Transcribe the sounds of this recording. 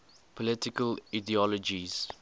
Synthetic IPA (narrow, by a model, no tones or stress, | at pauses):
pʰɔlɪtɪkəladiɔlɔd͡ʒiz̥